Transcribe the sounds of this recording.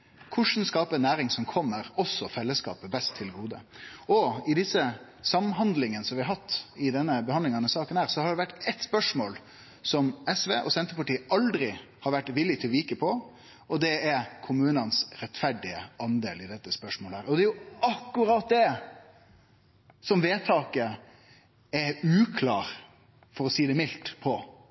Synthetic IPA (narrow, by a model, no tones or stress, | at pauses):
kʰʊʂn̩skɑːpənæːɾɪŋsɔmkʰɔmːəɾɔsːɔfɛlːəskɑ̰ːpəbɛst̪ʰːɪlɡuːd̪ə̰ɔɪd̪ɪsːə | sɑmɦɑnd̪lɪŋənəsɔmʋɪɑɾɦɑt̪ːɪd̪ɛnːəbəhɑnd̪lɪŋɑnəsɑːkənhæːɾsɔhɑɾɖɛʋæʈːɛt̪spœʂmoːl | sɔmɛsʋeːʔɔsɛnt̪əpɑʈiːəʔɑld̪ɾɪ | hɑɾʋæʈːʋɪlːɪt̪ʰɪlʋiːkəpʰɔ | ɔd̪ɛɛɾkʰʊmʉːnənsɾɛt̪fæɖɪə̰ʔɑnd̪eːlɪd̪ɛt̪ːəspœʂmoːlæːɾɔd̪ɛjʊɑkːʉɾɑt̪̚d̪ɛ | sɔmʋeːt̪ʰɑːkə | ɛʉːkʰlɑːɾ | fɔɾɔsiːd̪ɛmɪlt̪pʰɔ